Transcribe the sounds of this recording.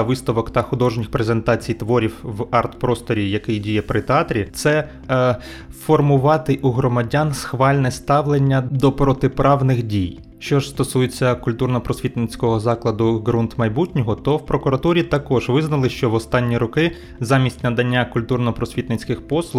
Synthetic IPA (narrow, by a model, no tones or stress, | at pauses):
ʋɪst̪ɔʋɔkt̪ɐxʊd̪ɔʒnʲixpɾezent̪ɑt͡sʲijt̪ʋɔɾʲiwʋɑrt̪pɾɔst̪ɔɾʲijɐkɪjdʲijɛpɾɪt̪eɑt̪ɾʲit̪sɛ | fɔrmʊʋɑt̪ɪʔuɦɾɔmɐdʲansxʋɑlʲnɛst̪ɑʋlˠenʲːɐd̪ɔpɾɔt̪ɪpɾɑʋnɪxdʲij | ʃt͡ʃɔʒst̪ɔsujet͡sʲːɐkʊlʲt̪urnɔpɾɔsʲʋʲit̪nɪt͡sʲkɔɦɔzɑklˠɐd̪ʊɡɾunt̪mɐjbutʲnʲɔɦɔt̪ɔwpɾɔkʊɾɐt̪uɾʲit̪ɐkɔʒʋɪznɐlˠɪʃt͡ʃɔʋɔst̪ɑnʲːiɾɔkɪ | zɑmʲisʲtʲnɐd̪ɐnʲːakʊlʲt̪urnɔpɾɔsʲʋʲit̪nɪt͡sʲkɪxpɔslˠʊx